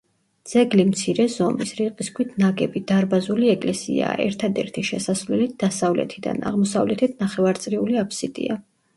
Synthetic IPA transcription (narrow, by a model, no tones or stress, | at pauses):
d̪z̥ɛɡlimt̪sʰiɾɛzɔmisɾiqʼiskʰwit̪ʰnaɡɛbid̪̥aɾbazuliɛkʼlɛsḭa̰ɛ̰ɾt̪ʰad̪ɛ̰ɾt̪ʰiʃɛsasvlɛlit̪̚d̪̥asavlɛ̰t̪ʰid̪a̰na̰ʁmɔsavlɛt̪ʰit̪ʰnaχɛvaɾt̪sʼɾiuliapʰsit̪ʼḭa